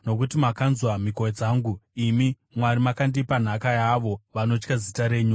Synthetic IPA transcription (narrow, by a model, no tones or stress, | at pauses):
no̞kutimakanzwamikoed͡zaːŋɡuimi | mwaɾimakandipan̤akajaʋo̞ʋano̞t͡ʃkazitaɾe̞ːɲu